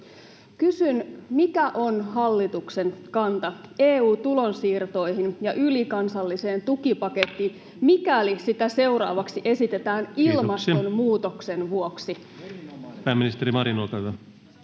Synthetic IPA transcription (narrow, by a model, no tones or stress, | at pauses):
kysynmikæʔo̞nɦɑlːit̪ukse̞ŋkɑnt̪ɑeːuːt̪ulo̞nsiːrt̪o̞jɦinjɑʔylikɑnsɑlːise̞ːnt̪ukipɑket̪ːiːn | mikælisit̪æse̞uɾɑ̰ːʋɑksiʔe̞sit̪e̞t̪æːnilmɑst̪onmuːt̪oksenʋuoksi | pæːmːinist̪eɾimɑɾinolkɑɑ